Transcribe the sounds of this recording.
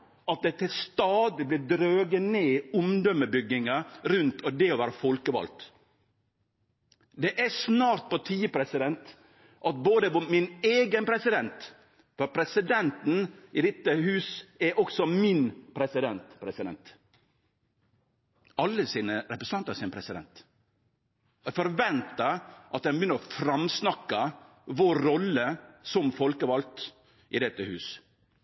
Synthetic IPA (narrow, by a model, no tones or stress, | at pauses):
ɑt̪̚d̪ɛt̪ɪlst̪ɑːd̪ɪblɪd̪ɾøːɡəneːʊmd̪ɔməbʏɡːɪŋəɾʉnt̪ɔd̪ɛɔʋæːɾəfɔlkəʋɑ̰lt̪ | d̪ɛʔæsnɑːɾt̪̚pɔt̪ʰiːəpɾɛsɪd̪ɛnt̪ | ʔɑt̪̚boːd̪əʋʊmɪneːɡənpʰɾɛsɪd̪ɛnt̪ | pɔpʰɾɛsɪd̪ɛnt̪n̩ɪd̪ɪt̪ːəhʉːsɛɾʔɔksɔmɪnpʰɾɛsɪd̪ɛnt̪pʰɾɛsɪd̪ɛ̰nt̪ | ʔɑlːəsiːnəɾɛpɾəsn̩ɑnt̪əɾsɪnpʰɾɛsɪd̪ɛ̰nt̪ | ɛfɔɾʋɛnt̪ɑɾʔɑt̪̚hɛnbəjʏnːəɾɔfɾɑmsnɑkːɑ | ʋoːɾɔlːəsɔmfɔlkəʋɑlt̪ | ʔɪd̪ɛt̪ːəhʉːs